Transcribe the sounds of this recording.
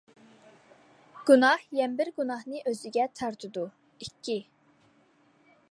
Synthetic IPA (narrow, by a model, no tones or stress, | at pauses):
ɡ̥unɑhjɛnɪbɪɾɡunɑhnɨʔøzyɡʲɛt̪ʰɑɾt̪ʰɨd̪u | ikʲʰːi